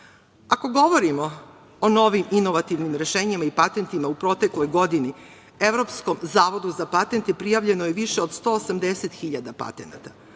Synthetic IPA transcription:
ako̞ɡo̞ʋo̞ɾimo̞ | ono̞ʋimino̞ʋat̪iʋnimɾe̞ʃe̞ːɲimaipat̪e̞nt̪imaupɾo̞t̪e̞klo̞jɡo̞d̪ini | eʋɾo̞psko̞mzaːʋo̞d̪uzapat̪ent̪epɾijaʋʎe̞nojeʋiʃeod̪st̪o̞ːsamd̪eset̪xiʎad̪apa̰t̪e̞na̰t̪a

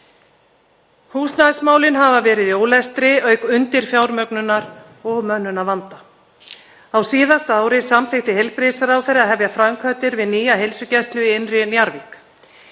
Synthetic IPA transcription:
huːsnaðsmaːwlɪnɦavavɛːɾɪðjoːwlɛst̪ɾɪœːɥkʏnt̪ɪɾ̥fjaːwɾmœknʏnaɾ | ɔɣmœnːʏnavant̪a | awsiːðast̪aːwɾɪsamθɪht̪ɪhejlpɾɪsaɾawθɛjɾaðɦɛvjafɾamkʰvœt̪ɪɾvɪðniːjaɦejlsʏcɛst̪lʏienrɪnjaɾvik

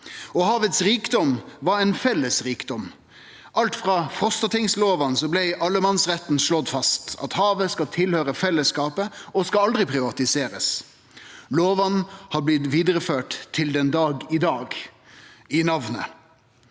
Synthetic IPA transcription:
ɔhɑːʋət̪sɾiːkd̪ɔmʋɑɾɛɪnfɛlːəsɾiːkd̪ɔm | ʔɑlt̪fʁɑfʁɔst̪ət̪ʰɪŋsloːʋɑnsɔblɛɪʔɑlːəmɑnsʁɛt̪n̩ʂɭɔd̪fɑst̪ɑ̰t̪hɑːʋəskɑt̪ʰɪlhøːɾəfɛlːəskɑːpəɔskɑɑld̪ʁɪpʰʁɪʋɑt̪ɪseːɾəs | loːʋɑnhɑblɪt̪ʋiːd̪əɾəføːʈt̪ʰːɪld̪ɛnd̪ɑːɡɪd̪ɑːɡ | ɪnɑʋnə̰

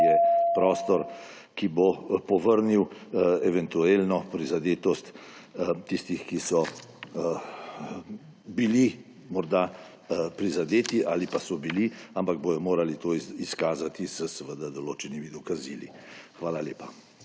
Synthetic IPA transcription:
jɛpɾɔːst̪ɔɾ | kibopɔʋəɾniwɛʋɛnt̪ueːlnɔpɾizad̪eːt̪ɔst̪ | t̪ist̪ixkisɔ | bili | mɔɾd̪a | pɾizad̪eːt̪iʔaːlipasɔbiliampaɡ̚boj̪ɔmoːɾalit̪oiskaːzat̪izəsɛʋəd̪ad̪ɔloːt͡ʃɛnimid̪ɔkaziːlixʋaːlaleːpa

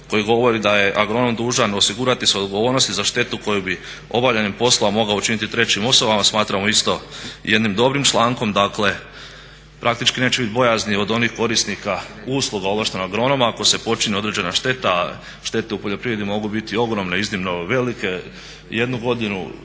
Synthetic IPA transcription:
ko̞jiɡo̞ʋo̞ɾid̪aje̞ʔaɡɾo̞nomd̪uːʒano̞siɡuɾat̪iseod̪ɡo̞ʋo̞ːɾno̞st̪izaʃt̪e̞t̪uko̞jubi | o̞̰baʋʎanimpo̞slˠamo̞ɡaut͡ʃinit̪it̪ɾe̞t͡ɕimo̞soʋamasmaːt̪ɾamo̞ist̪o̞jʔe̞d̪nimd̪o̞bɾimt͡ʃlˠaːŋko̞md̪akle̞ | pɾʔakt̪it͡ʃkine̞ːt͡ɕeit̪bo̞jaznio̞d̪o̞nixko̞ɾisnikauslˠuɡaod̪lʋaʃt̪enoaaɡɾo̞nomako̞se̞po̞t͡ʃinio̞d̪ɾeːd͡ʑe̞naʃt̪e̞t̪aː | ʃt̪e̞t̪e̞upo̞ʎo̞pɾiʋɾed̪imo̞ɡubit̪io̞ɡɾo̞mneiznimno̞ʋe̞like̞ | je̞d̪nuɡo̞d̪inṵ

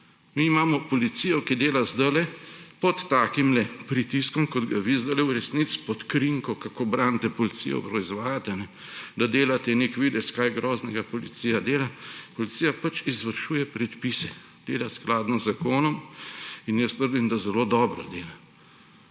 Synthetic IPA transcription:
miːmaːmɔpɔlit̪sijɔkid̪eːlazd̪əlɛpɔt̪ːaːkimlɛpɾit̪iskɔmkɔd̪ɡaʋizd̪əlɛuɾɛsnit̪spɔt̪kɾiŋkɔkakobɾant̪ɛpɔlit̪sḭjɔ̰pɾɔizʋaːjat̪ɛnɛ | d̪ad̪eːlat̪ɛnekʋid̪ɛskajɡɾɔːznɛɡapɔlḭt̪sijad̪eːlapɔlit̪sijapat͡ʃizʋəɾʃuːjɛpɾɛt̪pisɛ | d̪̥ḛːlasklaːd̪nɔzːakoːnɔminjəst̪əɾd̪imd̪azɛloːd̪ɔːbɾɔ̰d̪eːla

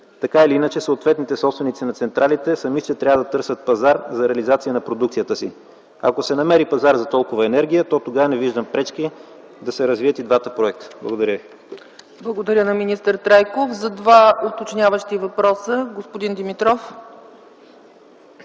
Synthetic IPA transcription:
t̪ɐkailiinət͡ʃɛsəot̪vɛt̪nit̪ɛsɔpst̪vɛnit̪sinɐt̪sɛnt̪ɾʔalit̪ɛsɐmist͡ʃɛt̪ɾʲavəd̪ɐt̪ɤɾsʲət̪̚pɐzaɾzɐɾɛɐlizat̪siənɐpɾod̪ukt̪siət̪əsi | ɐ̰kosɛnɐmɛɾipɐzaɾzɐt̪ɔlˠkʊvɐɛnɛɾɡʲijət̪ɔt̪oɡavənɛviʒd̪əmpɾɛt͡ʃki | d̪ɐsɛɾəzviət̪id̪vat̪əpɾoɛk̚t̪ə̥blˠɐɡod̪ɐɾʲəvi | blˠəɡod̪ɐɾʲənɐminist̪əɾt̪ɾajkofzɐd̪vaot̪ot͡ʃnʲavəʃt̪ivɐpɾɔsəɡospod̪ind̪imit̪ɾɔf

